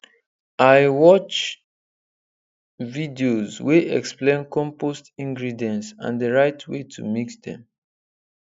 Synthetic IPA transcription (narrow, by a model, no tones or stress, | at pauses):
aɪwɔt͡ʃ | vidiozweʔɛ̰ksplẽnkɔ̃mpostĩŋɡɹidɛ̃nsã̰ndəɹaɪtʰwetʰṵmiksdɛ̰̃m